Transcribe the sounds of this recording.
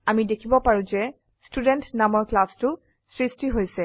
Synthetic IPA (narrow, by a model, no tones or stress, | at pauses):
amidekʰibɔpaɹũzɛ | studɛntnamɔɹklastʊ | sɹistiɦojsɛ